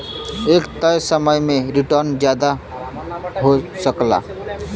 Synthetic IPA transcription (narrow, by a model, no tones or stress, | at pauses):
ekt̪əjsəməjmeɾiʈəɾnd͡ʒjad̪a | ɦosəkla̰